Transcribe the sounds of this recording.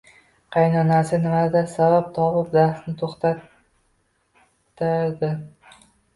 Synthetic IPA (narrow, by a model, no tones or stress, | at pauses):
qʰɑjnɒnasɪnɪmad̪asabap̚t̪ʰɒpɪpd̪aɾsnɪt̪ʰoχt̪ʰa | ɪd̪ɪ